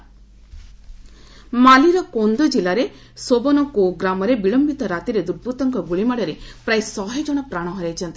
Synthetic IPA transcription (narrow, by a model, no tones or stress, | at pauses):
maliɾɔkond̪ɔd͡ʒilaɾe | sobɔnɔkoɡɾamɔɾebiɭɔmbit̪ɔɾat̪iɾed̪uɾbʱut̪ɔŋkɔɡuɭimaɽɔɾepɾajsɔɦed͡ʒɔɽ̃ɔpɾaɽ̃ɔɦɔɾajt͡ʃʰɔnt̪i